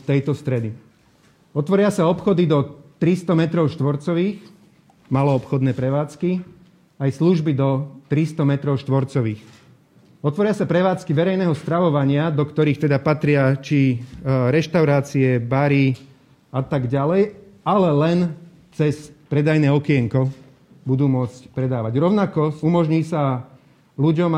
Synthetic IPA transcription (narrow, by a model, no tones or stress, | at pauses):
t̪ɛjt̪ɔst̪ɾɛd̪i | ɔt̪ʋɔɾɪasaɔpxɔd̪id̪ɔt̪ɾist̪ɔmɛt̪ɾɔʊʃt̪ʋɔɾt͡sɔʋiːx | malɔɔpxɔd̪nɛːpɾɛʋaːt͡ski | ajsluʒbid̪ɔt̪ɾist̪ɔmɛt̪ɾɔʊʃt̪ʋɔɾt͡sɔʋiːx | ɔt̪ʋɔɾɪasapɾɛʋaːt͡skiʋɛɾɛjnɛːɦɔst̪ɾaʋɔʋaɲɪad̪ɔkt̪ɔɾiːxt̪ɛd̪apat̪ɾɪat͡ʃiɾɛʃt̪aʊɾaːt͡siɛbaɾiː | at̪aɡɟalɛjalɛlɛn | t͡sɛspɾɛd̪ajnɛːɔkɪɛŋkɔ | bud̪uːmʊɔt͡scpɾɛd̪aːʋaɟɾɔʊnakɔumɔʒɲiːsa | luɟɔm